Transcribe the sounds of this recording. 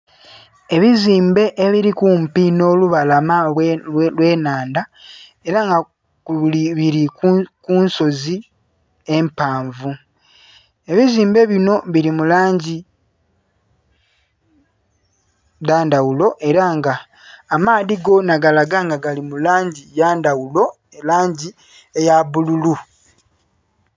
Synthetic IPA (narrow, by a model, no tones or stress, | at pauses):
e̞βiziːmbe̞ʔeβiɾikumpino̞ːluβalam | lwe̞ːnaːnda | e̞ɾaŋɡa | kuliβiɾikukunso̞zi | e̞mpaːɱvu | e̞βiziːmbe̞βino̞βilimulaːɲɟi | daːndawulo̞ʔe̞ɾaŋɡaː | maːðiɡo̞naɡalaɡaŋɡaɡalimulaːɲɟijaːndawulo̞ | laːɲɟi | ejaβululu